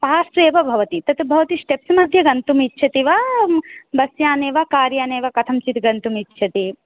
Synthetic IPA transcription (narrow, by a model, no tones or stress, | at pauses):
paːseːʋɐbʱɐʋɐt̪it̪ɐt̪bʱɐʋɐt̪isʈepsmɐd̪ʱjɐɡɐnt̪umitːʃʰɐt̪iʋa | b̪ɐsjaːneːʋakaːɾjaːneːʋɐkɐt̪ʰɐmt͡ʃit̪ɡɐnt̪umitːʃʰɐt̪i